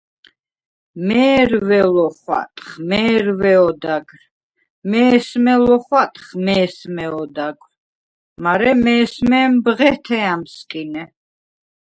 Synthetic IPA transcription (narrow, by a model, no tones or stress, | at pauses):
mɛːɾvɛlɔχwa̰t̪ʼχmɛːɾvɛɔd̪aɡɾ | mɛːsmɛlɔχwat̪ʼχmɛːsmɛɔd̪aɡɾ | maɾɛmɛːsmɛːmbʁɛt̪ʰɛamskʼinɛ